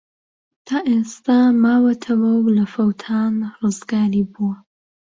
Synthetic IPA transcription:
t̪ʰaːʔest̪amaːwɐt̪ʰɐwɐwlɐfɐwt̪ʰaːnrɨzɡaːɾiːbuwɐ

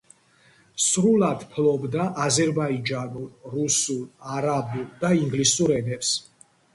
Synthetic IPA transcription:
sɾulad̪̥pʰlɔbd̪aʔazɛɾbaid͡ʒanulɾusulaɾabuld̪aiŋɡlisuɾɛnɛps

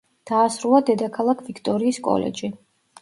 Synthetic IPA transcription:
d̪̥aːsɾulˠad̪ɛd̪akʰalˠakʰvikʰt̪ʼɔɾiːskʼɔ̰lɛ̰d͡ʒi

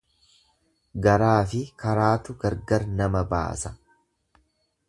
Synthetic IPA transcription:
ɡɐɾaːfɪkɐɾaːt̪ʊɡɐɾɡɐɾnɐmɐba̰ːsɐ̥

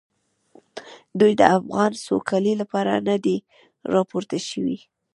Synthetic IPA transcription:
d̪ujd̪ə̰afɣɑnsokʰalilapɑɾa̰nad̪e | ɾɑpoɾt̪aʃəwḭ

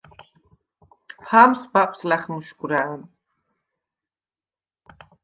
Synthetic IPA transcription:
pʰamsbapʰʼslaχmuʃkʼuɾaːn

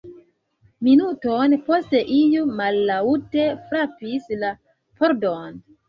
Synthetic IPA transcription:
minutonposte̞ʔijumalːautefɾapisla | pʰoɾdon

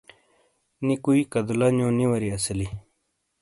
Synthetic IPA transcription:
nikuikɐd̪ulanjõːniwɐɾiɐsəli

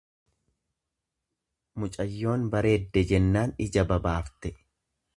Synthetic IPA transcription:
mʊt͡ʃʼɐjːo̞ːnbɐɾe̞ːd̪ːɛd͡ʒɛnːaːnɪd͡ʒɐbɐbaːft̪ɛ

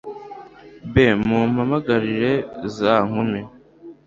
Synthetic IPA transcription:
bemum̥hamaɡaɾiɾe̞zaːŋume

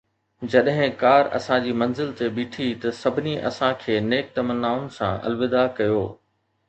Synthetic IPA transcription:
d͡ʑɐɗɦɪ̃kaːɾɐ̰sãd͡ʑiːmɐ̃nzɪlt̪eɓiːʈʰit̪ɐsɐbʱɪniʔɐ̰sãkʰeːneːk̚t̪ɐmənːaːʊnɪ̆sã̰ʔɐ̰lʋɪd̪akɐjoː

